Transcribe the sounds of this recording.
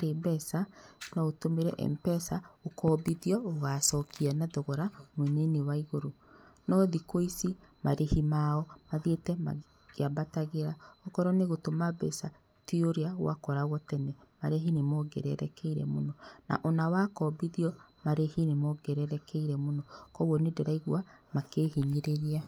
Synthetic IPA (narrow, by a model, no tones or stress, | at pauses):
ɾebɛsanaotomeɾɛʔɛ̰mpɛsaokɔbiðiɔoɣasɔːkianaðoɣɔɾamwɛnenewaiɣoɾonɔðikoisi | maɾehimaɔmaðietɛma̰ | ɣ̥eabataɣeɾaɔkɔɾɔneɣotomabɛ̰sa | tioɾeaɣwa̰kɔɾaɣɔtɛnɛmaɾeɦinemɔɡɛ̰ɾɛ̰ɾɛkɛiɾɛ̰monɔna̰ʔonawakɔbiðiɔmaɾehinemɔɡɛɾɛɾɛkɛiɾɛmonɔkɔɣwɔnedeɾaiɣwamakeːɦeɲeɾeɾia